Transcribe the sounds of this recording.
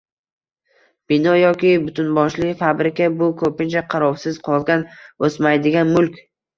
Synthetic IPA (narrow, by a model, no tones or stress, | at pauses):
b̥ɪnɒjɒkʲɪbʊt̪ʰʊnbɒʃlɪkʲfabɾɪkʲabʊkʰɵpɪnt͡ʃaqʰɑɾɒwsɪz̥qʰɒlˠɡʲanosmajd̪ɪɡʲanmʊlkʲ